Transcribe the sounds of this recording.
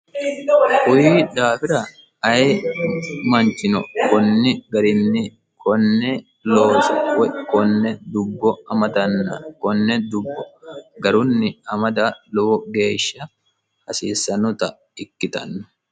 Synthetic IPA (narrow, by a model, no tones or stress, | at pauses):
kʊjiːd̪aːfɪɾɐ | ɐje | mɐnt͡ʃɪnɔ̰kɔnːɪɡɐɾɪnːɪ | kʰɔnːɛ | loːsɐwɛkɔnːɛd̪ʊbːɔɐmɐt̪ɐnːɐkɔnːɛd̪ʊbːɔɡɐɾʊnːɪɐmɐd̪aluɡe̞ːʃːɐ | hɐsiːsːɐnʊt̪ɐ | ɪkːɪt̪ɐ̰nːʊ̥